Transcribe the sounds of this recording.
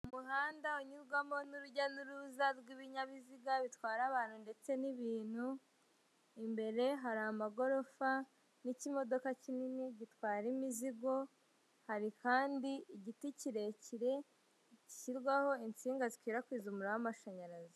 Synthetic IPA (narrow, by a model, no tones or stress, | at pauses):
umuhaːndauɲiɾɡwamo̞nuɾuɟanuɾuzaɾɡiβiɲaβiziɡaβitwaːɾaβaːn̥hunde̞t͡se̞niβiːn̥hu | imbe̞ɾe̞ɦaɾamaɡo̞ɾo̞fa | nicimo̞do̞kacininiɟitwaːɾimiziɡo̞ | haɾikaːndiːɟiticiɾe̞ciɾe̞ | ci̥ciɾɡwaho̞int͡siːŋɡazikwiːɾakwiːzumuɾawamaʃaɲaɾaz